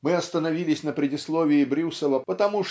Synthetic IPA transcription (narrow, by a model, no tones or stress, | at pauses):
mɨɐst̪ənavʲilʲɪsʲnɐpɾʲɪdʲɪslˠɔvʲɪːbɾʲusəvˠəpət̪ɐmuʂ